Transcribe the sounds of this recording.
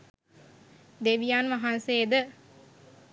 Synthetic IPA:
d̪eʋijaːnʋaɦanseːd̪ə

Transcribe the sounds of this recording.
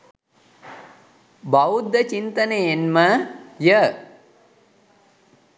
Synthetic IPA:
baud̪ːət͡ʃint̪ənejenməjə

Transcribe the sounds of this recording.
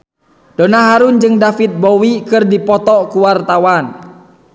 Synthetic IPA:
d̥onaɦaɾund͡ʒɨŋdafit̪̚bɔwikɨrdipɔt̪ɔkuwart̪awan

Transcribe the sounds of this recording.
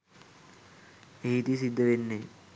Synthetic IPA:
eɦit̪isid̪ːəʋenːe

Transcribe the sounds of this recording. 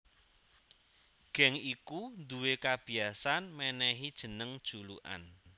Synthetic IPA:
ɡ̥ɛ̤ŋikund̪uwekab̥i̤asanmɛnɛɦid̥ʒ̥ə̤nəŋd̥ʒ̥ulṵʔa̰n

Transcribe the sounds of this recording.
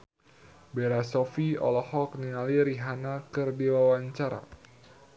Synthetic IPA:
beɾasɔfiɔ̰lɔhɔk̚niŋaliɾiɦanakɨrdiwawaɲt͡ʃaɾa̰

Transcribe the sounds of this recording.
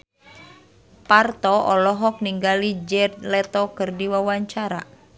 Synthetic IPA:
part̪ɔʔɔlɔɦɔk̚niŋɡalid͡ʒɛd̪lɛt̪ɔkɨrdiwawaɲt͡ʃaɾa̰

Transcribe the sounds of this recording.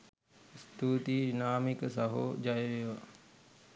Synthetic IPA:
st̪uːt̪inaːmikəsɐɦo̰d͡ʒajəʋeʋa

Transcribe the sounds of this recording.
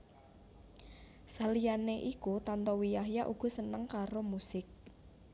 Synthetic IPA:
salijaneʔikut̪ant̪ɔwijaɦjaʔuɡ̥ɔ̤sənəŋkaɾomusɪk̚

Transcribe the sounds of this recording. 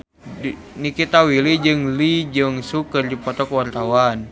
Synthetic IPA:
nikit̪awilid͡ʒɨŋlid͡ʒɨŋsukərdipɔt̪ɔkwart̪awan

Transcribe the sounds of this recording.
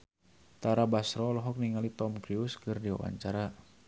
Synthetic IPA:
t̪aɾabasɾɔlɔɦɔk̚niŋalit̪ɔmkɾiuskɨrdiwa̰wa̰ɲt͡ʃaɾa

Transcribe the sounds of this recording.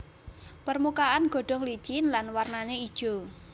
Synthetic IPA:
pərmukaʔanɡ̥ɔ̤ɖ̥ɔ̤hlid̥ʒ̥ɪnlanwarnaneid̥ʒ̥o

